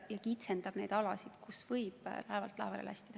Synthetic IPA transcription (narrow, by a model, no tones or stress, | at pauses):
jɑkit̪send̪ɑb̥ne̞jd̪ɑlɑsid̪̥kusvɤjb̥læevɑlt̪ːˑlæevɑlḛlæ̰st̪id̪̥ɑ